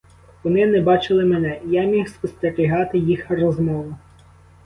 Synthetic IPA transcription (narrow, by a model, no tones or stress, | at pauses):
ʋɔnɪnɛbɑt͡ʃɪlˠɪmenɛjamʲixspɔst̪eɾʲiɦɑt̪ɪjixrɔzmɔʋʊ